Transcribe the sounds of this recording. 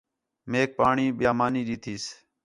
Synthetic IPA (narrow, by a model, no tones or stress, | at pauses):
meːk̚paːɳiːɓjaːmaːniːɗiːt̪ʰiːs